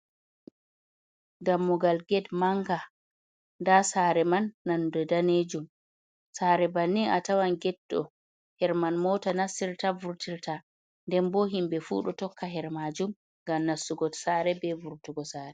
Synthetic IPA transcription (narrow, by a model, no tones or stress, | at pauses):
ɡamːɔɡalɡɛdmaŋɡa | ndasaːɾɛmanːandɛdaned͡ʒum | saɾɛbanːiʔatawanɡɛdːɔ̰ | hɛɾmanmɔtanasːiɾtavuɾtiɾta | ndɛnboɦimbɛfṵɗɔtɔkːaɦɛɾmad͡ʒum | ŋɡamnasːuɡɔ̥saɾɛbɛvuɾtuɡɔsaːɾɛ